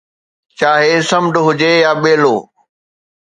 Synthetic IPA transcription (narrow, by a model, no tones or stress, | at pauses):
t͡ɕaːɦesɐmɖʊɦʊd͡ʑejaːɓeːloː